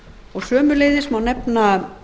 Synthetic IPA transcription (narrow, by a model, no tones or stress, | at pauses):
ɔɣsœːmʏleːjðɪsmawnɛpna